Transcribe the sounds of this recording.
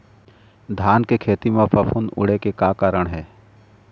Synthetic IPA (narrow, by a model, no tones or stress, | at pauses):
d̪ʱaːnkekʰeːt̪imẽpʰɐpʰʊnʊ̰ɽekekaːkaːɾəɽ̃ɦɛː